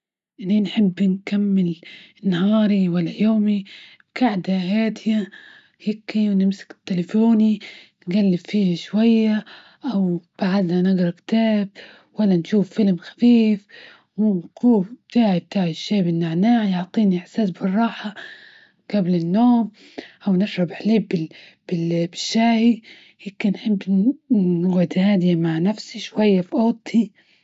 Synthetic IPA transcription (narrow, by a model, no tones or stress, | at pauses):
ʔɪninħɪbːnkamːɪlnahɑːɾiwalːajoːmibkaʕd̪aɦaːt̪ja | hekiwnɪmsḁkɪ̥t̪ːɪlafoːninɡalːɪbfiːhaʃwajːa | ʔawb̥aʕad̪nanɪɡɾˤɑkt̪aːb̚ | walːanʃuːfːɪlmxḁfiːf | wnkuːbb̚t̪aːʕib̚t̪aːʕɪʃːeːbɪnːaʕnaːʕjʊʕt̪ˤiːniɪħsaːsbɪrˤːɑːħa | ɡ̥ablɪnːoːm | ʔawnɪʃɾɑbɪħliːbbɪ | b̥ɪbɪʃːaːhi | hɪkɪnħɪbː | nʊɡʕɪd̪haːd̪ɪjamaʕnafsiʃwajːafiʔoːt̪ˤʰi